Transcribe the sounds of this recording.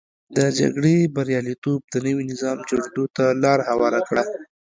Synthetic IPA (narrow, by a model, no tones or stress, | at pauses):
d̪əd͡ʒa̰ɡɽebaɾjɑlit̪ob̚d̪ənəwinɪzɑmd͡ʒaɽd̪ot̪alɑɾahawɑɾakɽa